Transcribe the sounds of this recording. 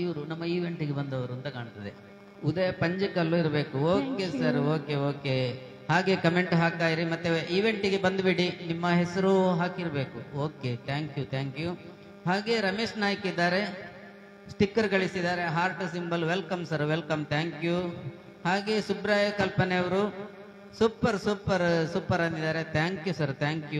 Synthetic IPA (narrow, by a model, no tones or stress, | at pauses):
iʋɐɾunɐmːɐiːʋe̞ɳʈiɡebɐnd̪ɐʋɐɾunt̪ɐkaːɳt̪ɐd̪ḛ | ud̪ɐjɐpɐɲd͡ʒikɐlːuiɾɐbe̞ːkuoːkesɐɾoːkeoːke | haːɡe̞kɐme̞ɳʈɦaːk̚t̪aːjiɾimɐt̪ːeiːʋe̞ɳʈiɡebɐnd̪biɽinimːɐɦesɐɾuɦaːkiɾɐbe̞ːkuoːket̪ʰaːŋkjut̪ʰaːŋkju | ɦaːɡe̞ɾɐmeːʂnaːjkid̪ːaːɾe̞ | sʈikːɐɾɡɐɭisid̪aːɾe̞ɦaːɾʈsimbɐlʋelkɐmsɐɾʋelkɐmt̪ʰaːŋkju | haːɡe̞subɾaːjɐkɐlpɐneɐʋɐɾu | suːpɐɾsuːpɐɾsuːpɐɾɐnd̪id̪aːɾe̞t̪ʰaːŋkjusɐɾt̪ʰaːŋkju